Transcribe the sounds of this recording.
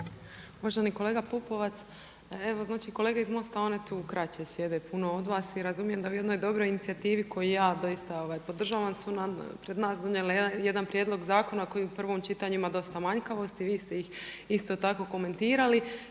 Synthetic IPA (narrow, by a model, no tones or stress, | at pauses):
uʋaʒeniko̞le̞ːɡapupo̞ʋat̪s | e̞ʋoznaːt͡ʃiko̞leːɡaizmo̞st̪ao̞ne̞t̪uːkɾat͡ɕesje̞d̪e̞puno̞o̞d̪ʋaːsiɾazumije̞md̪auje̞d̪no̞jd̪o̞bɾo̞jinit̪siat̪iːʋiko̞jijaːd̪o̞ist̪ao̞ʋajpo̞d̪r̩ʒaːʋansunapɾe̞d̪naːsd̪o̞ɲeleje̞d̪anpɾje̞d̪lˠo̞ɡzaːko̞nako̞jiupr̩ʋo̞mt͡ʃit̪aɲuimad̪o̞st̪amaɲkaʋo̞st̪iʋiːst̪e̞jixist̪o̞t̪ako̞ko̞me̞nt̪iːɾali